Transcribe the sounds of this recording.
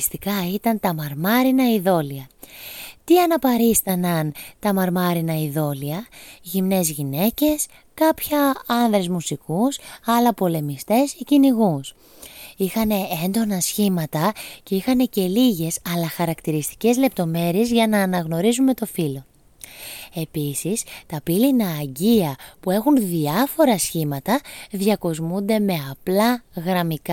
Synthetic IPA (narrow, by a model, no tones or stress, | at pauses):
st̪ikɐit̪ɐnt̪ɐmɐɾmɐɾinɐiðo̞liɐ | t̪iɐnɐpɐɾist̪ɐnɐnt̪ɐmɐɾmɐɾinɐiðo̞liɐʝimne̞zʝine̞ce̞s | kɐpçɐɐnðɾe̞zmusikusɐlɐpo̞le̞mist̪e̞seciniɣus | ixɐne̞end̪o̞nɐsçimɐt̪ɐce̞ixɐne̞ce̞liʝe̞sɐlɐxɐɾɐkt̪iɾist̪i̥ce̞zle̞p̚t̪o̞me̞ɾie̞zʝɐnɐːnɐɣno̞ɾizume̞t̪o̞filo̞ | e̞pisist̪ɐpilinɐːɟiɐpue̞xunðiɐfo̞ɾɐsçimɐt̪ɐðʝɐko̞zmund̪e̞me̞ɐplɐɣɾɐmik